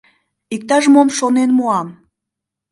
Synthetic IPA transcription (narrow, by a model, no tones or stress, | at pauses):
ik̚t̪ɑʒmomʃonenmuɑm